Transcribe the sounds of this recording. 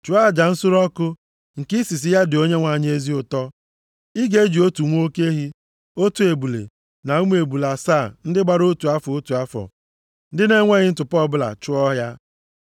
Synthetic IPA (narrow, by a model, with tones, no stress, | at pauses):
t͡ʃu˨a˦˨d͡ʒa˨n̩˦sʊ˦ɾɔ˦kʊ˦ | ŋ̩˨ki˦si˨s̬i˦ja˦dɪ˨o˦ɲe˦ŋʷa˨ɲ˦e˦zi˦ʊ˨tɔ˦ | i˦ɡe˦d͡ʒi˨o˦tu˨ŋʷ˦o˦ke˦ɦi˦ | o˦tu˨e˨bu˨lḛ˨ | na˨u˦m˦e˨bu˨la˨saː˦˨n̩˦dɪ˦ɡ͡ba˦ɾo˦tu˨a˦fɔ˨o˦tu˨a˦fɔ̰˨ | n̩˦dɪ˦ne˦ŋʷe˦ɣɪ˦n̩˦tʊ˨pɔ˦˨bʊ˦la̰˨t͡ʃʊ˦ɔ˦ɦja˦